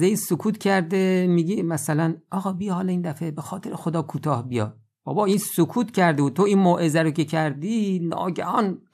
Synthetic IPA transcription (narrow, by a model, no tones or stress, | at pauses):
eiːsokʰuːt̪cʰæɾd̪emiːɡimæsælænʔɒːɣɒːbijɒhɒːliːnd̪æfe̞bexɒːt̪ʰeɾexod̪ɒːkʰuːt̪ʰɒːhbijɒ̰ | b̥ɒ̰ːbɒːiːnsokʰuːt̪cʰæɾd̪ebud̪̚t̪ʰoiːnmoːʔezæɾokʲecʰæɾd̪inɒ̰ːɟæhɒːn